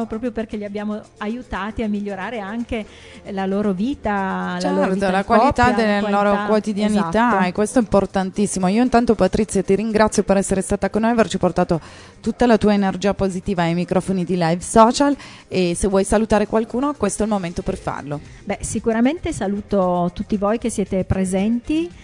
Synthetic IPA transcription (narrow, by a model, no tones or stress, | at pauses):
pɾɔːpɾjoperkeʎiabːjaːmoajut̪aːt̪iamːiʎːoɾaːɾeaŋke | laloːɾoviːt̪at͡ʃɛrt̪olakwalit̪ad̪elːeloːɾokwot̪id̪janit̪aɛkːwest̪oɛimport̪ant̪isːimoiːoint̪ant̪opat̪ɾit̪sːjat̪iɾiŋɡɾat̪sjopeɾɛsːeɾest̪aːt̪akonːojavert͡ʃiport̪aːt̪o | t̪ut̪ːalat̪uːaenerd͡ʒiːapozit̪iːvaajmikɾʔɔfonid̪ilajvsɔːt͡ʃal | esevwɔjsalut̪aːɾekwalkuːnoakwest̪oɛlmoment̪operfa̰rlo | bɛsikuɾament̪esaluːt̪ot̪ut̪ːivojk̟esːjeːt̪epɾezɛnt̪i